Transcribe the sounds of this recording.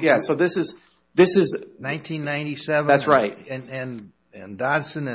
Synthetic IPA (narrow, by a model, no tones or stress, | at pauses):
jæsoʊðɪsɨz̥ | ðɪsɨznãɪ̃ntʰĩnːãɪ̃ntisɛvætsɹaɪt̚ɨ̃nɨ̃n | ɨ̃ndɑdsɨ̃nɨ̃